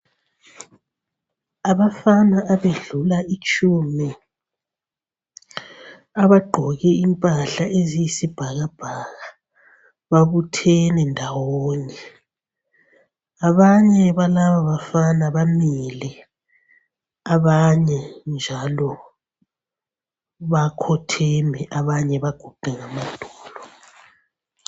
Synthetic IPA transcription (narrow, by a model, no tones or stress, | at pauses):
aβafanaʔaβeɮulaʔit͡ʃʰʼumi | aβaɡ͡ǃʱɔɣɛimpʼaɬaʔezijisib̥ʱaɣab̥ʱaɣa | βaβutʰɛnɛndʱawoːɲɛ | aβaɲɛβalaβaβafanaβamilɛ | aβaɲɛnd͡ʒʱalɔ | βakʰɔtʰɛmɛʔaβaɲɛβaɡ̥ʱuɡ̥ʱɛŋamandʱɔːlɔ